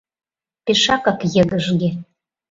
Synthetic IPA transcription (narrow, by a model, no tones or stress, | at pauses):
peʃɑkɑkjə̆ɣə̆ʒɣe